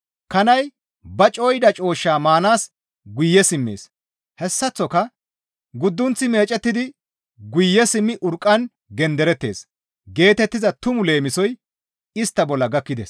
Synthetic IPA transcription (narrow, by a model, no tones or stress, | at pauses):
kɐnɐj | bɐt͡ʃʼo̞ːjd̪ɐt͡ʃʼo̞ːʃːaːmaːnaːs | ɡʊjːɛsɪmːḛːs | hɛsːɐt͡sːɔkɐ | ɡʊd̪ːʊnt͡sːɪme̞ːt͡ʃʼɛt̪ːɪd̪ɪ | ɡʊjːɛsɪmːɪʔʊɾkʼːɐn | ɡɛnd̪ɛɾɛt̪ːe̞̰ːs | ɡe̞ːt̪ɛt̪ːɪzɐt̪ʊmʊle̞ːmɪsɔj | ɪst̪ːɐbɔlːɐɡɐkːɪd̪ɛs